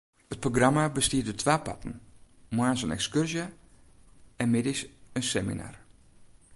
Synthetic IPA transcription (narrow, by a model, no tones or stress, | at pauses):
ət̚proɡramabəstiədətʰʋaːpa̰tn̩mwaːnsənɛ̰kskørzjə | ɛnmɪdisənsɛmḭna̰r